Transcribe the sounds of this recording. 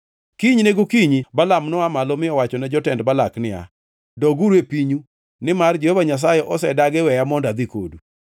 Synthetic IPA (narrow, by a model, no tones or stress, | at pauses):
kiɲneɡokiɲibalamnɔamalɔmɪɔwat͡ʃɔnɛd͡ʒɔtɛndbalaknɪa̰ | dɔɡuɾepiɲu | nɪmard͡ʒɔevaɲas̬ajɛʔɔsɛdaɡɪwɛjamɔndad̪ɪko̰du